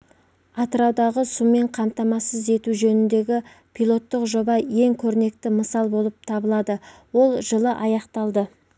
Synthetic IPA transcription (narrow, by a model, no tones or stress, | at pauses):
ɑt̪əɾɑwd̪ɑʁəsummːe̞ɴqʰɑmt̪ɑmɑsəze̞t̪uʒɵnɪnd̪e̞ɡʲɪ | pʰijlˠo̞t̪ːəqʒo̞bɑje̞ŋkʲʰɵɾne̞kt̪ɪməsɑlˠbo̞lˠəp̚t̪ʰɑbəlˠɑd̪əwo̞lˠʒəlˠəʔɑjɑqt̪ɑlˠd̪ə